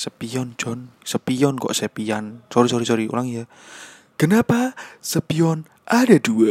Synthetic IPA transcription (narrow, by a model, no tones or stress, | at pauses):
səpijɔnd͡ʒɔnsəpiɔnkɔ̰ʔsəpijansoɾisoɾisoɾio̰laŋjə | ɡ̥ənapasəpiɔn | adaduə